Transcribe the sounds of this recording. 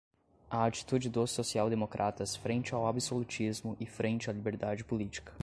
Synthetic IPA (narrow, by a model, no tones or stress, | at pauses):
ɐat͡ʃi̥t̪ud͡ʒɪd̪osːosiawd̪emokɾʔat̪ɐsfɾẽnt͡ʃɪawabisolut͡ʃizmʊʔɪfɾʔẽnt͡ʃɪalibeɾd̪ad͡ʒɪpulit͡ʃi̥kɐ̥